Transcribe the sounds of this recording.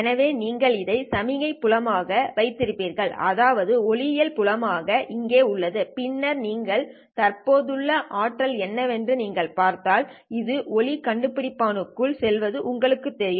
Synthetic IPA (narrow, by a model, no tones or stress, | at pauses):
ɛnɐʋeːniːŋɡɐɭɪðɐɪsɐmɪɣɐɪpːʊɻɐmaːɣɐʋɐɪt̪ːɪɾɪpːiːɾɣɐɭɐðaːʋɐðɯɔɭɪjɪlpʊlɐmaːɣɐʔɪŋɡeːʊɭːɐðɯpɪnːɐɾniːŋɡɐɭ | t̪ɐrpoːðɯɭːɐʔaːʈːɐlɛnːɐʋɛndrɯniːŋɡɐɭpaːɾt̪aːlɪðɯɔɭɪkɐɳɖɯpːɪɽɪpːaːnɯkːɯɭsɛlʋɐðɯʔʊŋɡɐɭɯkːɯt̪ːɛɾɪjɯ